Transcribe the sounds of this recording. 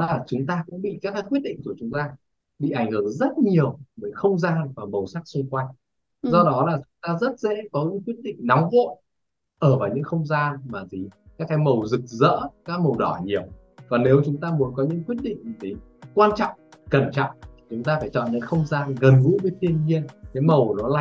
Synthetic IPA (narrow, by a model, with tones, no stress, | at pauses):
laː˨˩t͡ɕʊ˨˦ŋ͡mt̪aː˧kʊ̰˧˥ŋ͡mɓḭ˧˨kaː˦˥kːaː˨˦kwi˦˥t̚ɗḭ˧˨ŋ̟ku˧˩t͡ɕʊ˨˦ŋ͡mt̪aː˧ | ɓḭ˧˨ʔa˧˩jŋ̟hɨ˧˩˨ŋzə˦˥t̚ɲi˨˩əwvəː˨˦jxə˧wŋ͡mzaː˧nvaː˨˩mə˨˩wsaː˦˥k̚sʊ˧ŋ͡mkwa˧jŋ | zɔ˧ɗɔ˨˦laː˨˩t͡ɕʊ˨˦ŋ͡mt̪aː˧zə˦˥t̚zɛ̰˧˥kɔ˨˦ɲɨ̰˧˥ŋkwi˦˥ət̚ɗḭ˧˨ŋ̟na˨˦wŋ͡mvo̰˧˨ | ʔəː˧˩vaː˨˩wɲɨ̰˧˥ŋxə˧wŋ͡mzaː˧nmaː˨˩zi˨˩kaː˦˥kːaː˨˦jmə˨˩wzɨ˨˩k̚zə̰ː˧˥kaː˦˥k̚mə˨˩wɗɔ˧˩ɲi˨˩əw | vaː˨˩ne˨˦wt͡ɕʊ˨˦ŋ͡mt̪aː˧mu˨˦ənkɔ˨˦ɲɨ̰˧˥ŋkwi˦˥ət̚ɗḭ̈˧˨ŋ̟te˨˦ | kwaː˧nt͡ɕɔ̰˧˨wŋ͡mkə˧˩nt͡ɕɔ̰˧˨ŋ͡mt̪ʰi˨˩t͡ɕʊ˨˦ŋ͡mt̪aː˧faː˧˩jt͡ɕɔ̰˧˨nɲɨ̰˧˥ŋxə˧wŋ͡mzaː˧nɣə˨˩nɣṵ˧˥ɓe˨˧˦t̪ʰi˧ənɲi˧ənkaː˨˦jmə˨˩wnɔ˨˦la˨˩